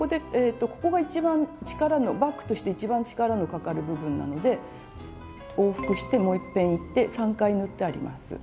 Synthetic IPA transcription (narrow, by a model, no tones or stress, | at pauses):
ko̞d̪e̞eːt̪ːo̞ko̞̥ko̞ɡait͡ɕibãɲt͡ɕi̥kaɾano̞bakːɯ̥t̪o̞ɕi̥t̪e̞it͡ɕibãɲ̟t͡ɕi̥kaɾano̞kakaɾɯ̟bɯ̟bɯ̟̃nːa̰no̞d̪e̞ | oːɸɯ̥kɯ̟ɕi̥t̪e̞mo̞ːipːẽ̞ɰ̃it̪ːe̞sãŋkainɯ̟t̪ːe̞aɾʲḭma̰sɨ̰